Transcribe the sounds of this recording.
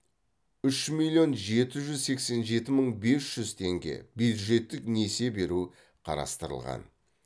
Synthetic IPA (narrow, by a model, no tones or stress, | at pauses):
ʏʃmilʲjo̞nʒe̞t̪ɪʒʏzse̞kse̞nʒe̞t̪ɪməɴbe̞sʒ̥ʏzt̪ʰe̞ŋɡʲe̞̰bjud̪ʒe̞t̪ːɪknese̞be̞ɾu | qʰɑ̰ɾɑ̰st̪əɾəlˠʁɑ̰n